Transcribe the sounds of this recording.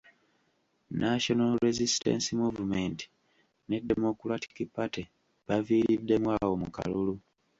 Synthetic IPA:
nʔaʃo̞nalɾezisi̥te̞̰nsimuvume̞nti̥ | ne̞demokulati̥kipːate | βaviːɾidːe̞mwaːwo̞muka̰lulu

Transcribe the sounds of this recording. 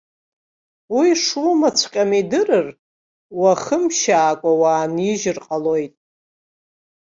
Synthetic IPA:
wiʂumat͡sʷʰqʲʼamidɨrɨr | waχəmʃaːkʷʼawaːniʒɪrqʼalo̞jtʼ

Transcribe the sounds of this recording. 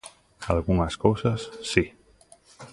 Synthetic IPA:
alɣuŋaskowsasːi

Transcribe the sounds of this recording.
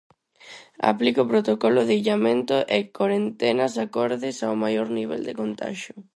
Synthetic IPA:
a̰plikʊpɾot̪okɔlʊðeiʎamẽnt̪ʊʔɪkwaɾent̪ɛnɐsakɔɾðɪsawmajoɾniβḛld̪ɪkont̪a̰ʃʊ

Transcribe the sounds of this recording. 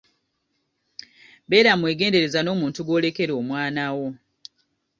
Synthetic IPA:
be̞ːɾamwe̞ːɡe̞ːnde̞ɾe̞zano̞ːmuːntuɡo̞ːle̞ke̞ɾoːmwaːnawo̞

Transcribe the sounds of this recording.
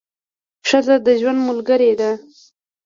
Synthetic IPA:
ʂazad̪əʒwand̪mʊlɡəɾed̪a

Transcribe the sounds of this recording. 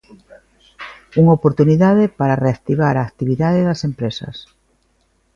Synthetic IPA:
uŋopoɾt̪uniðaðɪpaɾareak̚t̪iβaɾaːkt̪iβiðaðɪðɐsempɾesɐ̰s

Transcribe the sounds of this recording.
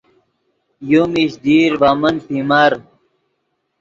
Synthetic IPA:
jumiɕd̪iːɾvamɐnpimaɾ

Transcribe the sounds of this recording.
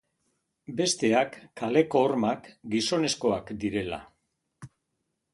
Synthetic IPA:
be̞st̪e̞akːale̞ko̞ːɾmakɡiso̞ne̞sko̞akd̪iɾe̞la̰

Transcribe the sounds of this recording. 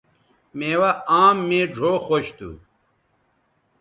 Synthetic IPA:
meːwɐaːmːẽːɖʱoːxoɕt̪ṵ

